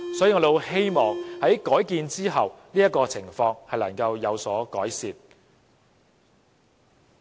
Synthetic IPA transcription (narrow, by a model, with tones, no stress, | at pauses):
sɔ˨˥jiː˨˧ŋɔː˨˧˩e˨˧whe˥jmɔː˨ŋhɐ˨˥jkɔː˨˥jkiː˧nt͡siː˥ɦɐ˨wniː˥jɐ˥t̚kːɔː˧t͡sʰɪ˨˩ŋfɔː˧ŋhɐ˨jlɐ˨˩ŋkɐ˧wjɐ˨˧wsɔː˨˥kɔː˨˥jsiː˨t̚